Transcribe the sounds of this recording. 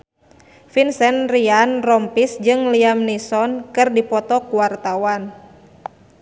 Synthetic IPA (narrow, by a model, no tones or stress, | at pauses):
finsɛnrianrɔmpisd͡ʒɨŋliamnisɔnkɨrdipɔt̪ɔkuwart̪awan